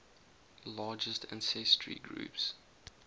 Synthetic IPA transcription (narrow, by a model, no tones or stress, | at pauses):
lɑːd͡ʒəstʰæ̃nsɛstʰɹḭɡɹṵːps